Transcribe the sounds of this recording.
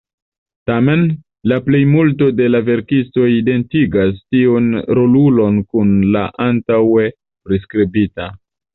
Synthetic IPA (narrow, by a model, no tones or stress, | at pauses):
tame̞n | laple̞jmulto̞de̞lave̞ɾkisto̞ide̞ntiɡastiunɾo̞lulo̞nkunlaʔantawe̞ | pɾeskɾibita